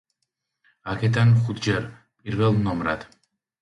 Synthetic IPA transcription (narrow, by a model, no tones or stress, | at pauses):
akʰɛd̪anχut̪ʰd͡ʒɛɾ | pʼiɾvɛlˠnɔmɾad̪̥